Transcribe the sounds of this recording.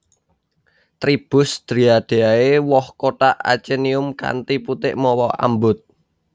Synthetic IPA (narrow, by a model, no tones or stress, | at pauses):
t̪ɾib̥ʊ̤sd̪̥ɾi̤ad̪̥e̤aewɔhkotaʔa̰t͡ʃeniʊmka̰nt̪iput̪ɪʔmɔwɔʔa̰mbʊt̪̚